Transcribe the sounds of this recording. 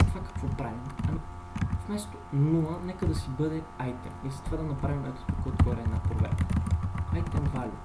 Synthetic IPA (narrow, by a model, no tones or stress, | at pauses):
ɐt̪vakɐ̥kvɔpɾavinɐmi | fmɛst̪onulˠənɛkəd̪ɐsibɤd̪ɛajt̪ɛ̰nizɐ̥t̪vad̪ɐnɐpɾavimɛt̪o̥t̪okot̪ɡɔɾɛːd̪napɾo̰vɛ̰ɾkə̥ajt̪ɛnvalʲṵ